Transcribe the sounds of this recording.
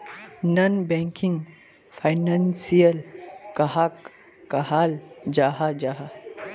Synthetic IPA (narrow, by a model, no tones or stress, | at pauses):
nɐnbɛ̃ːŋkiŋɡ | pʰaɪnansijəlkɐɦakː | ɐɦaːld͡ʒaːɦad͡ʒaːɦa